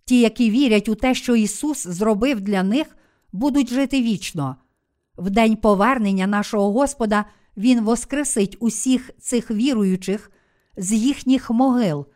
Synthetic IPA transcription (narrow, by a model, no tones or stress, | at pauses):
tʲijɐkiʋʲiɾʲɐtʲʊt̪ɛʃt͡ʃɔisuszrɔbɪwd̪lʲɐnɪx | bud̪ʊtʲʒɪt̪ɪʋʲit͡ʃnɔ | wd̪ɛnʲpɔʋɛrnenʲːɐnɑʃɔɦɔɦɔspɔd̪ɐ | ʋʲinʋɔskɾɪsɪtʲʊsʲixt̪sɪxʋʲiɾʊjʊt͡ʃɪx | zjixnʲixmɔɦɪlˠ